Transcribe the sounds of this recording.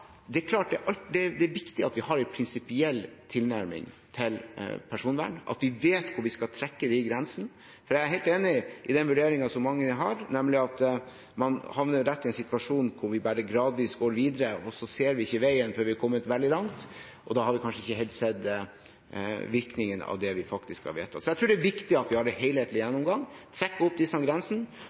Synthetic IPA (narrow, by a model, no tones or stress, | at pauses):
d̪ɛækʰlɑːʈ̚d̪ɛʔɑld̪ɛd̪ɛːʋɪkt̪ɪɑt̪ʋɪhɑɾɛpʰɾɪnsɪpɪɛlːt̪ʰɪlnæɾmɪ̰ŋ | t̪ʰɪlpʰæʂuːnʋæ̰ːɳʔɑ̰t̪ʋɪʋeːt̪kʰʊɾʋɪskɑt̪ʰɾɛkːəd̪ɛɪɡɾɛnsn̩ | fɔɾjææɾɦæɪlt̪eːnɪʔɪd̪ɛnʋʉɖeːɾɪŋɑsɔmːɑŋːəɦɑɾnɛmlɪɑt̪ | mɑnhɑʋnəːɛt̪ːɪɛɪnsɪt̪ʋɑʂuːnkʰʊɾʋɪbæɾəɡɾɑːd̪ɪsɡoːɾʋiːd̪əɾəɔsɔseːɾʋɪɪçːəʋæɪənføːɾʋɪhɑɾkʰɔmːət̪ʋɛld̪ɪlɑŋt̪ | ʔɔd̪ɑhɑɾʋɪkʰɑnʂəɪçːəɦɛɪlt̪sɛd̪ | ʋɪɾknɪŋənɑ̰ʋd̪ɛʋɪfɑkt̪ɪskhɑ̰ɾʋḛːt̪ʰːɑ̰t̪sɔjɛɪt̪ʰɾʉːɖɛæɾʋɪkt̪ɪɑt̪ʋɪhɑɾɖɛhɛɪheːt̪lɪjɛnːɔmɡɑŋːt̪ʰɾɛkːəɔp̚d̪ɪsːəɑɡɾɛnsn̩